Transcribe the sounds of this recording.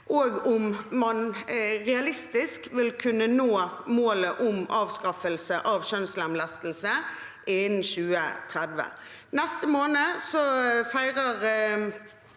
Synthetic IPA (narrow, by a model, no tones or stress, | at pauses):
ʔoːɡʊmmɑnʁɛɑlɪst̪ɪskʋɪlkʰʉnːənoːmoːləʔʊmʔɑːʋskɑfəlsəʔɑːʋʃœnslæmlɑst̪l̩sə | ʔɪn̩ʃʉːə̰t̪ʰʁɛd̪ʋə̰ | nɛst̪əmoːnəsɔfæɪʁəʁ